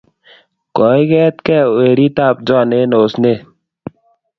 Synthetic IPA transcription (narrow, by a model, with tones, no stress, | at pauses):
kɔ˨˦i˦ɡɛ˦t̪̚kɛ˦˨we˨ɾi˦t̪a˦˨p̚d͡ʒɔ˦˨ne˦no˨sne˦˨